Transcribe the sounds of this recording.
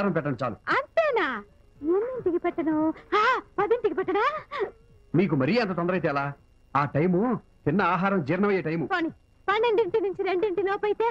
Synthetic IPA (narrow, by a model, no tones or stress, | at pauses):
ɾɐmpɛʈːɐnɐt͡ʃaːlṵɐnt̪eːnaː | munːinʈikipɛʈːɐnɐhaːpɐd̪iɳʈikipɛʈːɐnaː | miːk̬umɐɾijeɐnt̪ɐt̪̬ɔnd̪ɐɾɐjt̪̬ɛːɐlaː | aːʈɐjmu | t̪inːɐaːɦaːɾɐmd͡ʒiːɾnɐʋɐjeːʈɐjmupoːni | pɐnːeɳɖiɳʈinuɲt͡ʃiɾeɳɖiɳʈiloːpɐjt̪eː